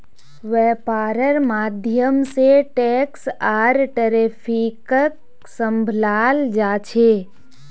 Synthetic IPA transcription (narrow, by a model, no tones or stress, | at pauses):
ʋɛːpaːɾəɾmaːd̪ʱjəmseʈɛːksaːɾʈəɾepʰikək | səmbʱlaːld͡ʒaːt͡ʃʰeː